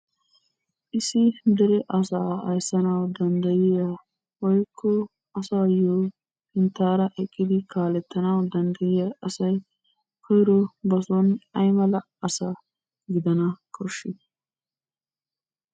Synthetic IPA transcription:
isind̪ɐɾeʔɐsaɐjsɐnawd̪ɐnd̪ɐjijɐ | wɐjkʰːu | ɐsajo | hɪnt̪aːɾɐʔekʼːid̪ikaːlɛt̪ːɐnawd̪ɐnd̪ɐjijɐɐsɐj | kojɾubɐsonɐjmɐlɐ | ɐsɐ | ɡid̪ɐnɐkʰʊʃi

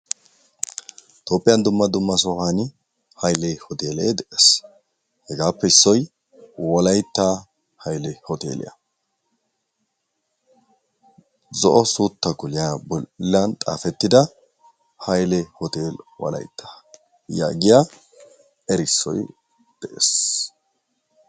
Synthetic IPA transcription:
t̪oːpʼːɪjɐnd̪ʊmːɐd̪ʊmːɐsɔhan | hɐjlɛhɔt̪eːleːd̪ɛʔes | hɛɡaːpːɛɪsːɔj | wɔlɐjt̪ːaː | hɐjlɛhɔt̪ḛːlɪ̰jɐ̰ | zɔʔɔsuːt̪ːɐkʊlɪjabɔlːɐnt̪ʼa̰ːfɛt̪ːɪd̪ɐ | hɐjlɛhɔt̪eːlwɔ̰lɐ̰jt̪ʰːḁ | ja̰ːɡɪja | ɛɾɪsːɔ̰j | d̪̥ɛʔḛs

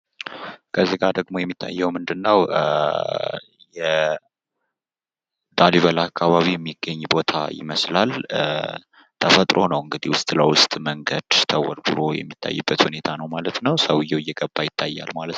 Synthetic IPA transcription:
kʰəzːiɡad̪əɡmo̞jɛmːit̪ʰːa̰jːɛwmɨnd̪ɨnːəw | jɛ | d̪̥aliβəlakʰːaβaβijɛmːiɡːəɲːbo̞t̪ʰa̰jɪ̰məslal | t̪ʰəfət̪ʼɾʔo̞nəwɨŋɡɨd̪ihwʊst̪ʼləwʊst̪ʼməŋɡəd̪̥t̪ʰəwɔɾbɨɾo̞jɛ̰mːit̪ʰːa̰jːubːət̪hune̞t̪ʰanəwmalət̪nəwsəwɨjːɛwɪjːɛɡəbːajɪt̪ʰːajːa̰lmalət̪n

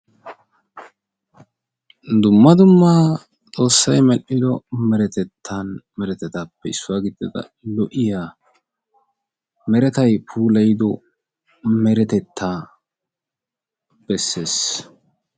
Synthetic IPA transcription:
d̪ʊmːɐd̪ʊmːa | t͡sʼo̞ːsːɐjmɛʔːɪd̪ɔmɛɾɛt̪ɛt̪ʰːɐnmɛɾɛt̪ɛt̪aːpːɛɪsːʊwaːɡɪd̪ːɪd̪ɐ̰ | lɔʔɪjaː | mɛɾɛt̪ɐjpʰuːlɐjd̪ɔ | mɛɾɛt̪ɛt̪ːaː | b̥ɛsːe̞ːs

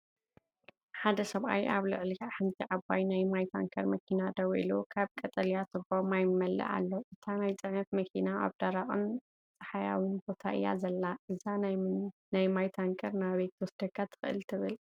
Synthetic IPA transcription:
ħad̪ɐsɐβʔa̰jʔaβlɨʕlikħɨnt̪ʰiʕabajnajmajt̪ʰa̰ŋkʰɐɾmɐkʰinad̪ɐwʔḭlukʰaβkʼɐt̪ʼɐlijat̪ʰɨbomajmɐlːɨ̰ʕa̰lːoʔɨt̪ʰanajt͡sʼɐnɐt̪mɐkʰinaa̰βd̪̥aɾaχʼɨm | t͡sʼɐħaja̰winbo̞t̪ʰa̰ʔɨ̰jːa̰zɐlːaʔɨzannajmajt̪ʰaŋkʰɐɾnaβet̪ʰːwɔsd̪ɐkʰːat̪ʰɨ̥xɨʔɨ̰lt̪ʰɨβɨl

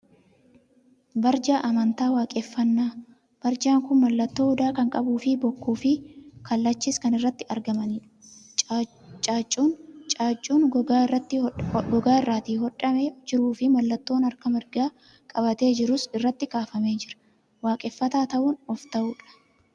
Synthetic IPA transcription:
bɐɾd͡ʒaːʔɐmɐnt̪aːwaːkʼefːɐnːaː | b̥ɐɾd͡ʒaːŋkʊnmɐlːɐt̪ːo̞ːhʊd̪aːkɐŋkʼɐbuːfɪbɔkːuːfɪkɐlːɐt͡ʃːiːskɐnɪrːɐt̪ːɪɐɾɡɐmɐniːᶑɐ̥ | t͡ʃʼaːt͡ʃʼːuːnt͡ʃʼaːt͡ʃʼːuːnɡɡaːɐt̪ːɪɡɔɡaːɪrːaːt̪iːhɔᶑɐmeːd͡ʒɪɾuːfɪmɐlːɐt̪ːo̞ːnɐɾkɐmɪɾɡaː | kʼɐbɐt̪e̞ːd͡ʒɪɾʊsɪrːɐt̪ːɪkaːfɐme̞ːd͡ʒɪɾɐ̥ | waːkʼɛːfːɐt̪aːt̪ɐʔuːnɔft̪ɐʔuːᶑɐ̥

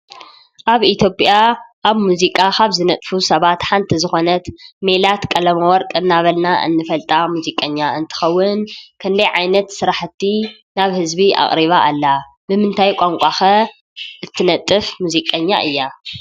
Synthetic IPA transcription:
ʔaβit̪ʰjo̞pʼjaʔaβmuzikʼakʰaβzɨnɐt̪ʼfusɐβat̪ħant̪ʰizɨxo̞nɐt̪melat̪kʼɐlɐmɐwɔɾkʼɨnːaβɐlnaʔɨ̰nːɨfɐlt̪ʼamuzikʼɐɲːaɨnt̪ʰɨ̥xɐwːʊnkʰɨnd̪ɐjʕajnɐt̪sɨɾaħt̪ʰːi | naβhɨzbiʔa̰χʼɾiβaʔːlːa | bɨmɨnt̪ʰajkʷʼaŋkʷʼaxɐ | ʔɨt̪ʰːɨnɐt̪ʼːɨfmuzikʼɐɲːa̰ʔɨjːa

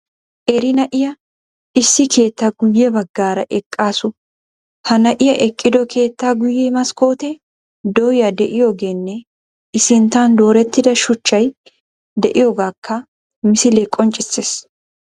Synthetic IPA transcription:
ʔɛɾɪnɐʔɪjɐ | ɪsːɪkʰe̞ːt̪ːaɡʊjːɛbɐɡːaːɾɐʔɛkʼːaːsʊ | hɐnɐʔɪjɐʔɛkʼːɪd̪ɔkʰe̞ːt̪ːaːɡʊjːɛmɐsko̞ːt̪ɛ | d̪ɔwjɐd̪ɛʔɪjo̞ːɡeːnːɛ | ʔɪsɪnt̪ːaːnd̪o̞ːɾɛt̪ːɪd̪ɐʃʊt͡ʃːɐj | d̪ɛʔɪjoːɡaːkʰːɐ | mɪsɪleːkʼːɔnt͡ʃʼːɪsːeːs

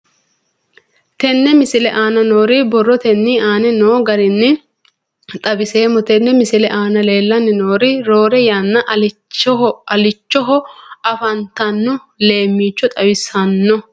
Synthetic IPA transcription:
t̪ɛnːɛmɪsɪlɛʔaːnɐnoːɾɪbɔrːɔt̪ɛnːiaːnɛnoːɡɐɾɪnːɪ | t̪ʼɐbɪse̞ːmːɔt̪ɛnːɛmɪsɪlɛʔaːnɐle̞ːlːɐnːɪnoːɾɪɾoːɾɛjaːnːɐʔɐlɪɔɐlɪt͡ʃːɔɦɔɐfɐnt̪ɐnːɔ | le̞ːmːiːt͡ʃːɔt̪ʼɐbɪsɐnːɔ

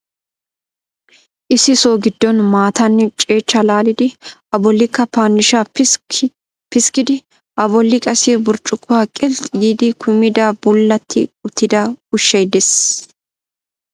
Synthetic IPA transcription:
ʔɪsɪso̞ːɡɪd̪ːɔnmaːt̪ɐnːɛt͡ʃʼe̞ːt͡ʃːɐlaːlɪd̪ɪɐbɔlːɪkːɐpaːnːɪʃaː | pɪskɪd̪ɪ | ʔɐbɔlːɪkʼɐsebʊɾt͡ʃʼʊkːʊwaːkʼɛlt̪ʼɪɡiːd̪ɪkʰʊmɪd̪ɐbʊlːɐt̪ʰːɪ̰ʊt̪ːɪd̪ɐʊʃːɛjd̪ɛs

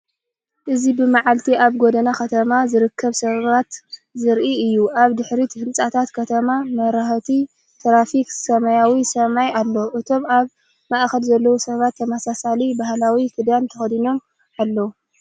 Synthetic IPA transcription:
ʔɨzibɨmaʕalt̪ʰiʔaβɡod̪ɐnakɐt̪ʰɐmazɨɾɨkʰːɐβsɐβat̪zɨɾʔiɨjːuʔaβd̪ɨħɾit̪ʰɨhɨnt͡sʼat̪ʰat̪kʰɐt̪ʰɐmamɐɾaħt̪ʰi | t̪ʰɾafiksɐmajawisɐmajalːoʔɨt̪ʰo̞maβ | maʔxɐlzɐlːɐwusɐβat̪ʰːɐmasasalibahlawikʰɨd̪jant̪ʰɐxɐd̪ino̞m | alːɐwu

